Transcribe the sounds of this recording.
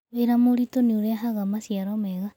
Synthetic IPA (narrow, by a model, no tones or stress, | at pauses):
eɾamoɾitoniuɾeaɦaɣamasjaɾomeɣa